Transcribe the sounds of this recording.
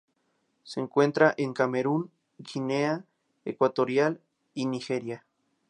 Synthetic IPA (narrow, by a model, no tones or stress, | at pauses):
seŋkwent̪ɾaʔeŋkameɾuŋ | ɡinea | ekwat̪oɾjal | inixeɾja